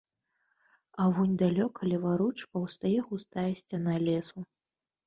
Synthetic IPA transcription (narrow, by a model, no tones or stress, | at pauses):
avunʲd̪alʲɔkʰɐlʲivaɾut͡ʂpɐwst̪ajɛxust̪ajɛsʲt͡sʲanalʲɛsu